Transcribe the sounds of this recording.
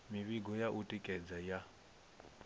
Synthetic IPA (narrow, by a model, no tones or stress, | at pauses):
miβiɡɔjaʔutʼikʼɛd͡zaja